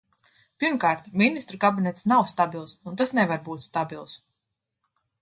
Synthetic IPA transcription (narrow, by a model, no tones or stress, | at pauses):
piɾmkaːɾt̪mʲinist̪ɾukabinɛt̪snawst̪abilˠsunt̪asnɛvaɾbuːt̪st̪abilˠs